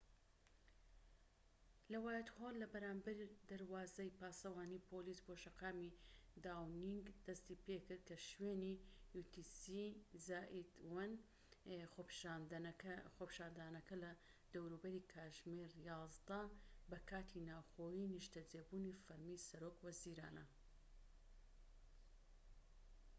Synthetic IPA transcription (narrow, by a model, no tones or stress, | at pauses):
lɐwaːjɛt̪holːɐbɐɾaːmbɐɾid̪ɐɾwaːzɐjpaːsɐwaːniːpʰolisboʃɐqaːmid̪aːwniŋɡd̪̥ɐst̪iːpekɨɾd̪̚kɐʃweːnijut̪isizaːʔid̪wɐn | xopʃanxopi̥ʃaːnd̪aːnɐkɐlɐ | d̪̥ɐwɾubɐɾiːkʰaːʒmeɾjɑːzd̪ɐbɐkʰaːt̪ʰinaːwxoːjiniʃt̪ɐd͡zeːbunifɐɾmisɐɾoːkwɐziːɾa̰ːnɐ̰